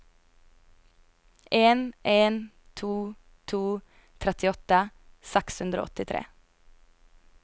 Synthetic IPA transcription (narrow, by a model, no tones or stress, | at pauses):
ʔeːnʔeːn | t̪ʰuː | t̪ʰuː | t̪ʰɾɛt̪ɪɔt̪əsɛkshʉnd̪ɾo̰ːɔt̪ɪt̪ʰɾḛː